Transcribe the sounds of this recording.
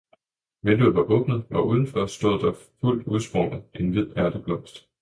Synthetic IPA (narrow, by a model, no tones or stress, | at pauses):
menduð̩ˠʋɑ̈ʔɔ̽b̥nəð̩ˠʔɒ̽ʔuːð̞ˠn̩fɒɐsd̥ɔðˠd̥ɑ̈ful̰d̥uð̞ˠsb̥ʁɒ̽nəð̩ˠʔe̝nʋið̞̰ˠæɐd̥əb̥lɒ̽m̰sd̥